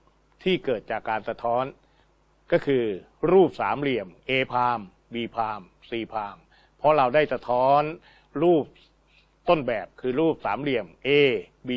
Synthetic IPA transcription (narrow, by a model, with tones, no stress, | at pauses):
t̪ʰiː˥˩kɤː˨˩t̪̚t͡ɕaː˨˩kːaː˧nsa˧t̪ʰɔː˦˥n | kɔː˥˩kʰɯː˧ | ɾuː˥˩p̚saː˩˦mɾi˨˩əmʔeː˧pʰaː˧m | biː˧pʰaː˧m | siː˧˩pʰaː˧m | pʰɔ˦˥ɾa˧wdaː˥˩jsa˧t̪ʰɔː˦˥n | ɾuː˥˩p̚ | t̪o˥˩nbɛː˨˩p̚kʰɯː˧ɾuː˥˩p̚saː˩˦mli˨˩əmʔeː˧biː˧